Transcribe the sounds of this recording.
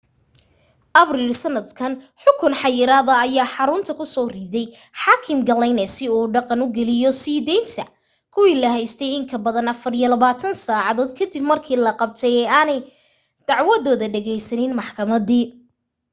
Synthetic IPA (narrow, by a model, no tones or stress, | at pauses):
ʔɐbrilsɐnːɐd̪kʰɐn | ħʊkʰʊnħɑjɪɾaːðɐːjaːħɑɾʊnt̪ʰɐkʰʊsɔːriːðɛj | ħɑːkʰɪmɡɐlɛjnɛsɪuːɖɑqɑnʊɡɛlɪjɔsiːðɛjnt̪ʰɐ | kʰʊwiːlɐɦɛjst̪ʰɛjɪŋkʰɐbɐðɐnɐfɐrijɔlɐβaːt̪ʰɐnsaːʕɑðɔːd̪kʰɐd̪ibmɐrkʰiːlɐqɑb̚t̪ʰɛjɛːaːnɛj | d̪̥ɑʕwɐðɔːðɐɖɛɣɛjsɐnɪnmɑħkʰɐmɐðiː